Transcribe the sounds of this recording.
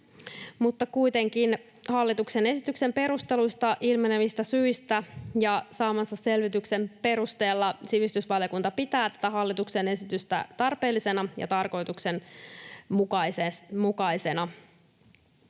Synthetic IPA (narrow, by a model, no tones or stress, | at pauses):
mut̪ːɑkujt̪e̞ŋk̟in | hɑlːit̪ukse̞ne̞sit̪ykse̞mpe̞ɾust̪e̞lujst̪ɑʔilmeneʋist̪æsyist̪æjɑsɑːmɑsːɑse̞lʋit̪ykse̞mpe̞ɾust̪e̞ːlːɑsiʋist̪ysʋɑljokunt̪ɑpit̪æːt̪æ̥t̪æɦɑlːit̪ukse̞ne̞sit̪yst̪æ̰t̪ɑrpe̞ːlːise̞nɑjʔɑ̰t̪ɑrko̞jt̪ukse̞n | mukɑjsemukɑjse̞nɑ